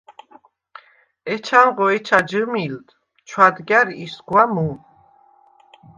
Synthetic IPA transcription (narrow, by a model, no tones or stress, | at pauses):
ɛt͡ʃʰanʁɔɛt͡ʃʰad͡ʒəmild̪ | t͡ʃʰwad̪ɡjaɾiisɡwamu